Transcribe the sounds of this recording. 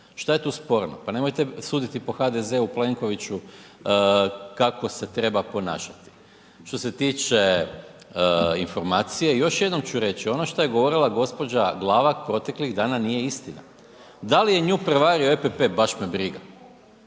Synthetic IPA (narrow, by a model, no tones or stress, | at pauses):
ʃt̪ajet̪uːspo̞ɾno̰pane̞mo̞jt̪esuːd̪it̪ipo̞xad̪ezeuple̞ŋko̞ʋit͡ɕu | kako̞se̞t̪ɾe̞bapo̞na̰ːʃḁt̪i̥ | ʃt̪o̞se̞t̪iːt͡ʃe̞ | info̞ɾmaːt̪sije̞jo̞ʃjed̪no̞mt͡ɕuɾe̞t͡ɕio̞noʃt̪oje̞ɡoʋo̞ɾilˠaɡo̞spo̞d͡ʑaɡlˠaːʋapɾo̞t̪e̞kliɣd̪aːnanijeist̪ina̰ | d̪alije̞ɲupɾeʋaːɾioepepe̞baʃmebɾiɡa